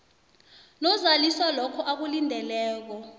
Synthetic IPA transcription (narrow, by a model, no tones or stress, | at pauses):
nɔzaliswalɔkʰɔʔak̬ulindʱɛlɛːk̬ɔ